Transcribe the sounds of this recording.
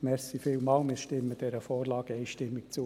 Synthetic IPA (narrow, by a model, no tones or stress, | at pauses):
mɛɾsifiːlmɑːlmɪːʃtɪmːəd̥ɛɾəfɔːrlɑːɡɛɪʃtɪmːɪkt͡suː